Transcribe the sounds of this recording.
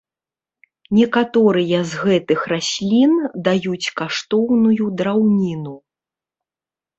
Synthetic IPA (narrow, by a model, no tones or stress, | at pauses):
nʲɛkat̪ɔɾɨjɐzɣɛt̪ɨxrasʲlʲind̪ajut͡sʲkaʂt̪ɔwnujud̪ɾawnʲinu